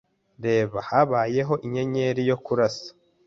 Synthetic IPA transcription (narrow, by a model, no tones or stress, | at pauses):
ɾe̞ːβahaβaːje̞ɦo̞ʔiɲe̞ɲe̞ɾijo̞kuɾasḁ